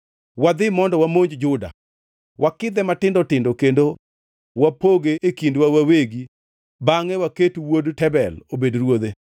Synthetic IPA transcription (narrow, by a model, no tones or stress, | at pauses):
wad̪ɪmɔndɔwamoɲd͡ʒd͡ʒʊda̰ | wʔakɪd̪ɛmatɪndɔtɪndokendo | wapoɡeʔekindwawaweɡi | baŋɛwaketuwodtɛbɛlobedɾwod̪e